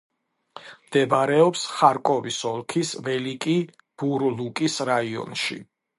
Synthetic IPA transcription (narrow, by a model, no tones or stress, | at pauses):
md̪ɛbɾɛɔpsχaɾkʼɔvisɔlˠkʰisvɛlikʼi | b̥uɾlukʼisɾaiɔ̰nʃḭ